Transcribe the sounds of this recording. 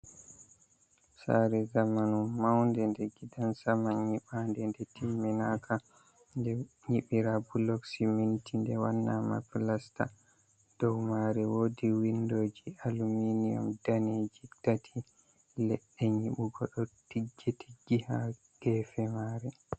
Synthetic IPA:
sa̰ɾɛzamanumawndɛndɛɡidansamaɲiɓandɛndɛtimːɛnaka | ndɛ | ɲiɓiɾabulɔksimintindɛwanːama̰pilasta̰ | d̥ɔwmaɾɛwoːdiwindod͡ʒialuminijɔ̰mdaned͡ʒitatʰi | lɛɗːɛɲiɓuɡɔɗɔtiɡːetʰi̥ɡiha̰ | ɡ̥ɛːfɛmaːɾɛ

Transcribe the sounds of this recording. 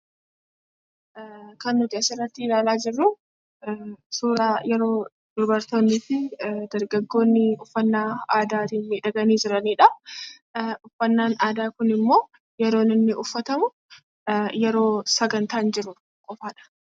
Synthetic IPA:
kɐnːʊt̪ɪɐsɪrːɐt̪ːɪɪlaːlaːd͡ʒɪrːu | suːɾaːjɛɾo̞ː | d̪̥ʊɾbɐɾt̪oːnːɪfɪd̪ɐɾɡɐɡːo̞ːnːɪʊfːɐnːaːaːd̪aːt̪iːmiːᶑɐɡɐniːd͡ʒɪɾɐniːᶑɐ | ʊfːɐnːaːnaːd̪aːkʊnɪmːo̞ː | jɛɾo̞ːnɪnːɪʔʊfːɐt̪ɐmʊ | jɛɾo̞ːsɐɡɐnt̪aːnd͡ʒɪɾʊ | kʼɔfaːᶑɐ̥

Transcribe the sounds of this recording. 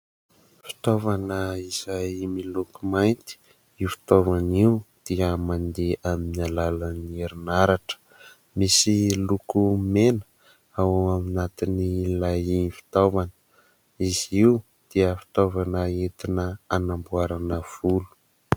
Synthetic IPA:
fi̥t̪ovanəiz̥ajmilukumajnt̪i̥ | ifi̥t̪ovaniud̪̥iəmand̪eʔaminalalənieɾinaɾaʈ͡ʂə̥ | misilukumenə̥ | awaaminat̪inilajinfi̥t̪ovanə̥ | iz̥iw | d̪̥iəfi̥t̪ovanəet̪inəanambuaɾanəv̥ulu̥

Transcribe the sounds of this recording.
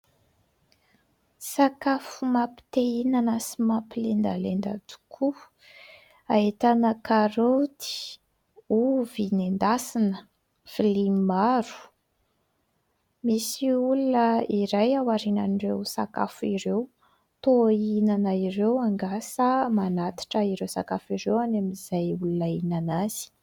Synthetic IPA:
sakafumapi̥t̪einanəsimapilend̪a̰lend̪a̰t̪u̥kʰu | aet̪anəkaɾot̪i̥ | uvinend̪asinə | filimaɾu̥ | misiulunəiɾajawaɾina̰nirewsa̰ka̰fuiɾew | t̪oinanaiɾewaŋɡasəmanat̪i̥ʈ͡ʂəiɾewsa̰kafiɾewanamiz̥ajulunainanaz̥i̥

